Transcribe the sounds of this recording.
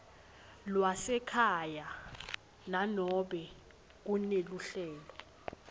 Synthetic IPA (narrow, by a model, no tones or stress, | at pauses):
lwasɛkʰaja | nanɔɓɛ | k̬uneluɬɛːlɔ